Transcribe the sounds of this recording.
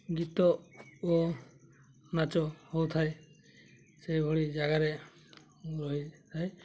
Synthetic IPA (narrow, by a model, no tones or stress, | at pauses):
ɡit̪ɔɔ | nat͡ʃɔhɔwt̪ʰaj | sɛjbʱɔɽid͡ʒaɡaɾɛ | ɾɔɦit̪ʰaj